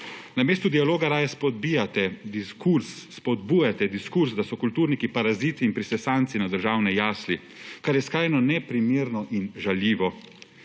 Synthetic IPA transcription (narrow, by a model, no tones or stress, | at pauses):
nameːst̪ud̪ijaloːɡaɾaːjaspɔd̪̚bijat̪ɛd̪iskuɾsːpɔd̪̚buːjat̪ɛd̪iskuɾzd̪asɔkult̪uːɾnikipaɾaziːt̪iːnpɾisɛsant̪sinad̪əɾʒaːwnɛjaːsli | kaɾjɛskɾaːjnɔnɛpɾimeːɾnɔʔinʒaljiːʋɔ